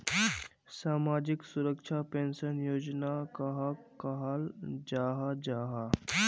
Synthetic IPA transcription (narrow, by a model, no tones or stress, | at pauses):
saːmad͡ʑiksuɾəkʃʰapẽnsənjoːd͡ʑnakəɦakɐɦald͡ʑaɦad͡ʑaɦa